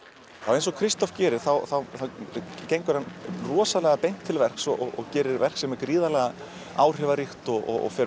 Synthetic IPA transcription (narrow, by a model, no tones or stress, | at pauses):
θawejnsɔkʰɾist̪ɔfcɛːɾɪɾ̥θawθawθawcejŋkʏɾhanrɔːsalɛɣapejn̥t̪ʰːɪlvɛr̥ksɔʔɔɔcɛːɾɪɾvɛr̥ksɛmɛɾkɾiːðalɛɣa | aːwr̥ɛvaɾixt̪ɔɔ̰ɣɔ̰fɛːɾ